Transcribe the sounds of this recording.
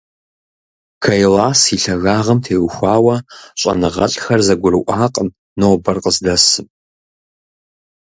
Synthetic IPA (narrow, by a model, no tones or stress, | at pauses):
kʰɐjlaːsiɬɐɣaːʁɐmtʰeːwxʷaːwɐɕʼɐ̰nɨʁɐ̰ɬʼxɐrzɐɡʷʊrɨʔʷʼaːqʼən | nowbɐrqʼəzdɐsɨm